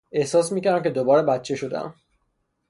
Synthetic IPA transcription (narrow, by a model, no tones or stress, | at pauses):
e̞hsɒːsmiːcæɾæmcʲʰe̞d̪obɒːɾebæt̪t͡ʃʰeʃod̪ḛæ̰m